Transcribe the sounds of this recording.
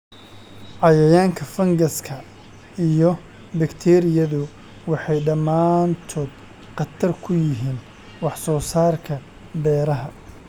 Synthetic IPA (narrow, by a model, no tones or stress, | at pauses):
ʕɑjɐjaːŋkʰɐfɐŋɡɐskʰɐ | ijɔ | bɪkt̪ʰɛɾɪjɐðʊ | wɑħɑjɖɐmaːnt̪ʰɔːd̪̥̚ | qɑt̪ʰɐrkʰʊjɪɦiːn | wɑħsɔːsaːrkʰɐ | bɛːɾɐɦɐ